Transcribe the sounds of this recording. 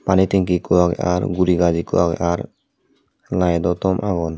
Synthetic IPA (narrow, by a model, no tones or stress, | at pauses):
panit̪ɛŋkikuaɡ̰a̰ɾɡuɾiɡad͡ʒikṵaɡ̰aɾ | lajd̪ɔt̪ɔmʔaɡɔn